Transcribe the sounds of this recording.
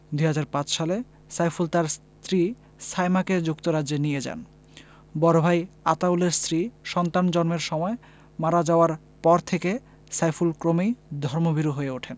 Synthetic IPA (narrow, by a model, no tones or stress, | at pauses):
d̪ujɦad͡ʑaɾpãt͡ɕʃale | sajfult̪aɾs | t̪ɾi | sajmaked͡ʑukt̪oɾadenijed͡ʑa̰n | bɔɾobʱajat̪awleɾst̪ɾiʃɔnt̪and͡ʑɔnmeɾʃɔmɔe | maɾad͡ʑaoaɾ | pɔɾt̪ʰeke | sajfulkɾomejd̪ʱɔɾmobʱiɾoɦoeoʈʰen